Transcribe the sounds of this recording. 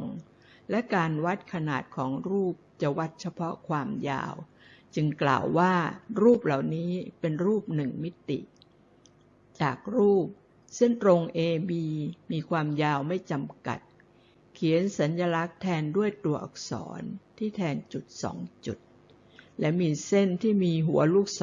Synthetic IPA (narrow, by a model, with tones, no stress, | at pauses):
ŋ | lɛ˦˥kaː˧nwa˦˥t̪̚kʰa˧naː˨˩t̪̚kʰɔː˩˦ŋɾuː˥˩p̚t͡ɕa˨˩wa˦˥t̪̚t͡ɕʰa˧pʰɔ˦˥kʰwaː˧mja̰ː˧w | t͡ɕɯ˧ŋkla̰ː˨˩wːaː˥˩ɾuː˥˩p̚la˨˩wniː˦˥pe˧nɾuː˥˩p̚nɯ˨˩ŋmi˦˥t̪ḭ˨˩ʔ | t͡ɕaː˨˩k̚ɾuː˥˩p̚ | sɯ˥˩nt̪ɾo˧ŋʔeː˧biː˧miː˧kʰwaː˧mjaː˧wma˥˩jt͡ɕa˧mka̰˨˩t̪̚ | kʰi˨˩˦ənsa˩˦nja˧la˦˥k̚t̪ʰɛː˧ndu˥˩əjt̪u˨˧˩ɐʔɔ̰˨˩k̚sɔ̰ː˩˦nt̪ʰiː˥˩t̪ʰɛː˧nt͡ɕu˨˩t̪̚sɔ̰ː˩˦ŋt͡ɕu˨˩t̪̚ | lɛ˦˥miː˧se˥˩nt̪ʰiː˥˩miː˧ɦu˩˦ɐluː˥˩k̚s